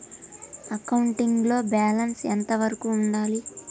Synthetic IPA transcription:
ɐkɐwuɳʈiŋɡlo̞ːbaːlɐnsɛnt̪ɐʋɐɾɐkuːɳɖaːli

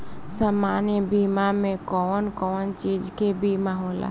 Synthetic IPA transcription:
saːmaːnjəbʱiːmamẽkɔːnkɔːnt͡ʃiːd͡ʒkebʱimaːɦɔːla̰

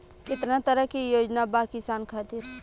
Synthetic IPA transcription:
kɪt̪nat̪əɾəkijoːd͡ʒnabaːkɪsaːnkʰaːt̪iːɾ

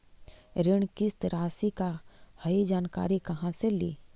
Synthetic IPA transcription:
ɾɪɳkist̪ɾaːsikahɐid͡ʒaːnka̰ːɾikɐɦãselḭː

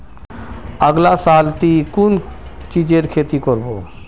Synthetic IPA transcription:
əɡlasalt̪ikun | t͡ʃid͡ʑeɾkʰet̪ikoɾbo

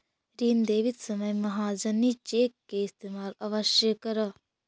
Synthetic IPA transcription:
ɾiːnd̪eːʋɪt̪səməjməɦaːd͡ʒəniːt͡ʃeːkːeːɪst̪eːmaːlaʋəʃjəkəɾaː

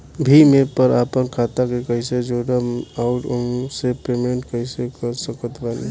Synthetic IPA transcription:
bʱimepəɾapənkʰat̪akekəɦɪsed͡ʒoɽəmaʊʈomsepɾemeɳʈkəɦisekəɾsəkət̪bali

